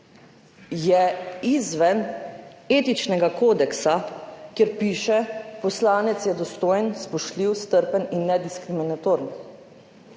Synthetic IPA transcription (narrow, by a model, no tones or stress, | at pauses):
jɛizʋɛn | eːt̪it͡ʃnɛɡakoːd̪ɛksakjeɾpiːʃɛpɔslaːnɛt̪sjɛd̪ɔst̪oːjənspɔʃliwst̪əɾpəninːɛd̪iskɾiminat̪oːɾn